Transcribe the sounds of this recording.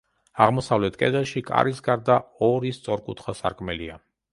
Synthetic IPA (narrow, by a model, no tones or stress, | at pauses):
aʁmɔsavlɛt̪ʰkʼɛd̪ɛlˠʃikʼa̰ɾisɡaɾd̪aɔɾist̪sʼɔɾkʼṵt̪ʰχasa̰ɾkʼmɛlia